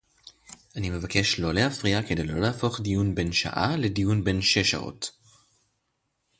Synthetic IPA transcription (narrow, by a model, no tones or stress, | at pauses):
ʔanime̞vake̞ʃlo̞leafʁiakede̞jlo̞̰lahafo̞χdijunbe̞nʃa̰ʔa̰ledijunbe̞nʃe̞ʃa̰ʔo̰t